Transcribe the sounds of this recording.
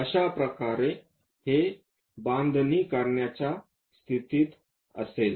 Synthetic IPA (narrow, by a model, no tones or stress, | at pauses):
əɕapɾəkaɾe | he | band̪ʱniːkaɾɳjat͡ɕja | st̪ʰit̪iːt̪ | ə̰sel